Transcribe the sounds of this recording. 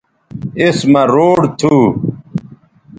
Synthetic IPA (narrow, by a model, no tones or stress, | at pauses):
ismɐɾoːɽt̪ʰuː